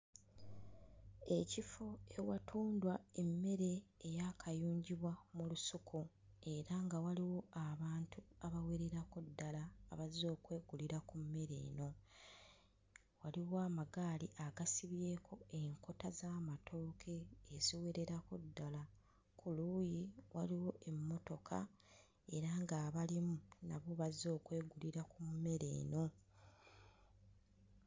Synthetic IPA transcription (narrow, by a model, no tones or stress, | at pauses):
e̞cifoe̞watʰuːndwae̞mːe̞ɾe̞ːjakʰajuːɲɟiβwamulusukʰu | e̞ɾaŋɡawaliwo̞aβaːntuaβawe̞ɾe̞ɾakudːalaːβazizo̞ːkwe̞ːɡuliɾakumːe̞ɾe̞̰ːno̞ | waliwoaːmaɡaːliʔaɡasiβje̞ːkʰo̞e̞ŋko̞tazaːmatʰo̞ːkʰe̞ːz̥iwe̞ɾe̞ɾakudːala | kuluːjiwaliwo̞ʔe̞mːo̞to̞kʰa̰ | e̞ɾaŋɡaːβalimunaβoβazo̞ːkwe̞ːɡuliɾakummːe̞ɾe̞̰ːno̞